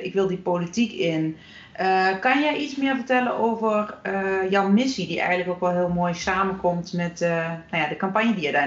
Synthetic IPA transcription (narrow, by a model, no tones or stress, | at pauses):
ɪkʋɪlˠdipoːlitikɪn | ʔəkanjɛjʔit͡smɪəvərtɛlənʔoːvərəjɔwmɪsidiʔɛ̰jɣəntləkokʋɔlˠɦɪəlˠmoːjsaːmənkʰomtmɛtnajadəkampanjədiɛda